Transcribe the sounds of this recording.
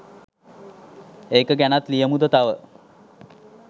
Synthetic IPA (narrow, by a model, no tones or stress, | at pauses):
eːkəɡɛnat̪lijəmud̪ət̪aʋə